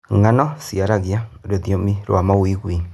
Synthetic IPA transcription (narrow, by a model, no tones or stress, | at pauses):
ŋanɔsiaɾaɣiaɾoðjomiɾw̰amawiɣwi